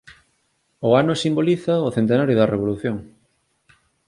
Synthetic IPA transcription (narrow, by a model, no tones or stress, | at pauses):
ʊanʊsimboliθɐoθent̪̬enaɾjʊðɐreβ̞oluθjoŋ